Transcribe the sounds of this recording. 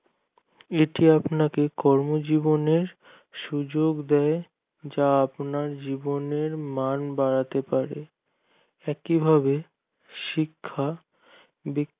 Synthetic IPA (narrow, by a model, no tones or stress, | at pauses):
eʈiapnakekɔɾmod͡ʑiboneɾ | ʃud͡ʑoɡd̪ɛe | d͡ʑaapnaɾd͡ʑiboneɾmanbaɾat̪epaɾe | ɛkibʱabe | ʃikʰːa | bi